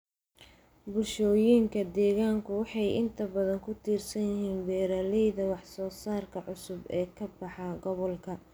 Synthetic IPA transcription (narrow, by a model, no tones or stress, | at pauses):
bʊʃɔːjiːŋkʰɐd̪ɛːɣaːŋkʰʊwɑħɑjɪnt̪ʰɐbɐðɐŋkʰʊt̪ʰiːrsɐnjɪɦiːnbɛːɾaːlɛjðɐwɑħsɔːsaːrkʰɐʕʊsʊbɛːkʰɐbɑħɑɡɔβɔlkʰɐ